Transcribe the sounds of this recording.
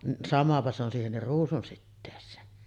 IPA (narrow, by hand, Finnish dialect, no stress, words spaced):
ni sɑmɑpɑ se on siːhenːir ruːsunsitːeːsˑeːn